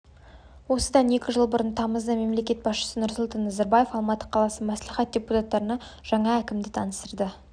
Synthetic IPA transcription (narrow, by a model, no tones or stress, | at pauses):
wo̞səd̪ɑne̞kʲɪʒəlˠbʊɾənt̪ʰɑməzd̪ɑme̞mle̞kʲe̞t̪̚bɑsʃə̥sənʊɾsʊlˠt̪ɑnːɑzɑɾbaje̞fɑlˠmɑt̪ːə̥qʰɑlˠɑsəmæsliχɑt̪̚d̪ʲe̞put̪ɑt̪ːɑɾənɑ | ʒ̥ɑɴɑækʲɪmd̪ɪt̪ʰɑnəst̪əɾd̪ə